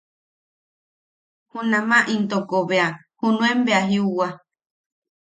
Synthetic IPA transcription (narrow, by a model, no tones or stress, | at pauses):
hunãmãʔĩnt̪okoβea | hunũembeaɦiuwa